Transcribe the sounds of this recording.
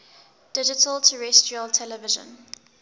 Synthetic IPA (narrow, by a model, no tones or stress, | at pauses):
d̥ɪd͡ʒɪtʰəlˠtʰəɹɛstɹiəltʰɛləvɪʒə̰̃n